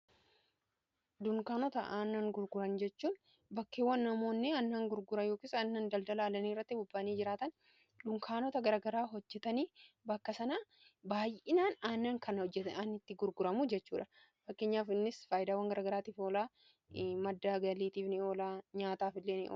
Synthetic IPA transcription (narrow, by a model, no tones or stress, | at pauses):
d̪ʊŋkaːnɔt̪ɐ̰ʔaːnːɐŋɡʊɾɡʊɾɐnd͡ʒɛt͡ʃːuːn | bɐkːeːwːɐnːɐmo̞ːnːɪɐnːaːŋɡʊɾɡʊɾɐjo̞ːkiːsɐnːɐnd̪ɐld̪ɐlaːlɐniːrːɐt̪ːɪbʊbːaniːd͡ʒɪɾaːt̪ɐn | ᶑʊŋkʰaːnɔt̪ɐɡɐɾɐɡɐɾaːɦɔd͡ʒːɛt̪ɐniː | bɐkːɐsɐnaː | baːjɪnaːnaːnːɐŋkʰɐnd͡ʒːɛanɪt̪ːɪɡʊɾɡʊɾɐmud͡ʒɛt͡ʃːuːᶑɐ | fɐkːeːɲːaːfɪnːɪsfaːjɪd̪aːwɐŋɡɐɾaɡɐɾaːt̪iːfoːlaː | mɐd̪ːaːɡɐliːt̪iːfnɪo̞ːlaːɲaːt̪aːfɪlːeːnɪ̰ʔoː